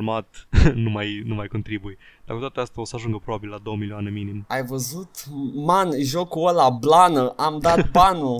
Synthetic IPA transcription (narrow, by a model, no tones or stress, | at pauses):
mat̪numajnumajko̞nt̪ɾibuje | d̪̥akut̪wat̪east̪ao̞səaʒuŋɡəpɾobabillad̪o̞wəmilioane̞minimajvəzut̪manʒokuolablanəʔamd̪abanu